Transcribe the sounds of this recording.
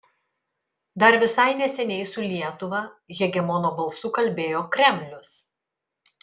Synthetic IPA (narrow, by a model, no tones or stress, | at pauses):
d̪ɐɾʋʲɪsɐɪnʲɛsʲɛnʲɛɪsʊlʲiɛt̪ʊʋɐɣʲɛɡʲɛmɔnoːbɐlˠsʊkɐlʲbʲeːjoːkɾʲɛmʲlʲʊs